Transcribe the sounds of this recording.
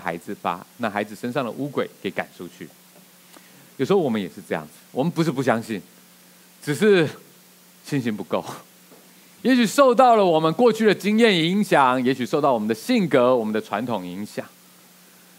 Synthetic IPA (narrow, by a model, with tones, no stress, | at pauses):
xa̰˧˥ɪd͡zɹ̩˨˩pa̰˨˩na˥˩xa˧˥ɪd͡z̩˨˩ʂə˥nʂɑ˥˩ŋd̪ə̰˨ʔu˥kwe˨˩ɪke˧˥ɪka̰˨˩nʈ͡ʂʰu˥t͡ɕʰy̰˥˩ | jo˨˩ʊʂɻ̩˧xo˥wɔ˨˩mə˦njɛ˨˩ʂɻ̩˥˧ʈ͡ʂɤ˥˧jɑ̰˥˩ŋd͡zɹ̩˨˩wɔ̰˨˩mə˦npu˧˦ʂ̬̩˥˩pu˥˩ɕ̬jɑ˥ŋɕi˥˩n | ʈ͡ʂɻ̩˨˩ʂ̬ɻ̩˥˩ | ɕi˥nɕi˧˥npu˧˦ko˥˩ʊ | jɛ˧˥ɕy˨˩ʂo˥˧ʊt̪ɑ˥˩ʊlə˨˩wɔ˨˩mə˨˦nkwɔ˥˧t͡ɕʰy˥˩d̪ə˩t͡ɕi˥ŋjɛ˥˩ni˧˦˥ŋɕjɑ˨˩ŋjɛ˧˥ɕy˨ʂo˥˧ʊt̪ɑ˥˩wɔ˨mə˦nd̪ə˧˦ɕi˥˩ŋkɤ˧˥wɔ˨˩mə˦nd̪ə˨ʈ͡ʂʰwa̰˧˥nt̪ʰʊ˨˩ŋi˧˥ŋɕjɑ̰˨˩˦ŋ